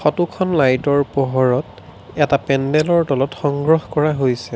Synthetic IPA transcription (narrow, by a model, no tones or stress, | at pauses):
xɔtukʰɔnlajtɔɹpɔɦɔɹɔt | ɛtapɛndɛlɔɹtɔlɔtxɔŋɡɹɔxkɔɹaɦojsɛ